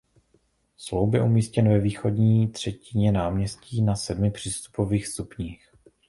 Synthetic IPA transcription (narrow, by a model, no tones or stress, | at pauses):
slowbjɛ̰ʔumiːscɛnvɛviːxo̞dɲiːt̪r̝̥ɛcɪɲɛnaːmɲɛsciːnasɛdmɪpr̝̥iːst̪u̥po̞viːxst̪upɲiːx